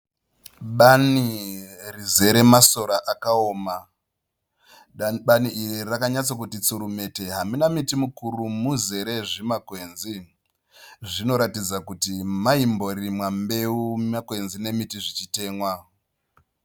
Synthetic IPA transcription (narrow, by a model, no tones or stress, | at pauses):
ɓanirize̞ɾe̞maso̞ɾaʔakaoːma | ɓaniirirakaɲat͡sakutit͡suɾume̞te̞ɦaminamitimukurumuze̞ɾe̞ʐimakwe̞nzi | ʐino̞ɾatid͡zakutimaimbo̞rimwambe̞umakwe̞nzine̞mitiʐit͡ʃite̞ːmwa